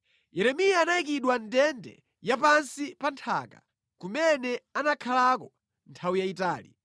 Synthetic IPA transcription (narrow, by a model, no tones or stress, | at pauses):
jɛɾɛmijaːnajik̬iɗwandɛndɛ̰ | japansipantʰa̰ka̰ | kumɛnɛanakʰalakɔ | ntʰawijaitaːlḭ